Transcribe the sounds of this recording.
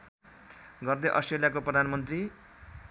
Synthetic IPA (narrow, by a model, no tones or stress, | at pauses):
ɡʌrd̪eʔʌsʈreljakoprʌd̪ʱanmʌnt̪ri